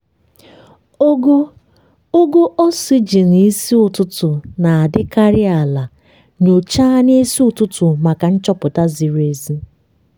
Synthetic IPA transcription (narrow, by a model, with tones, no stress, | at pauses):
o˦ɡo˦ | o˦ɡo˦ʔɔ˦si˦d͡ʒi˨ni˨˦si˦ʊ˨tʊ˦tʊ˨na˨a˨dɪ˦ka˦ɾɪ˦a˨la˨ | ɲo˨t͡ʃa˦n˦e˦si˦ʊ˨tʊ˦tʊ˨ma˨ka˨n̩˦t͡ʃɔ˦pʊ˨ta˦zi˨ɾe˨zi˦